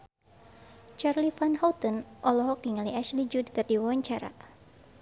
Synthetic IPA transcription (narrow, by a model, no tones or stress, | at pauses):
t͡ʃarlifanhawt̪ənʔɔlɔɦɔk̚iŋaliaʃlid͡ʒudt̪ərdiwawaɲt͡ʃaɾa̰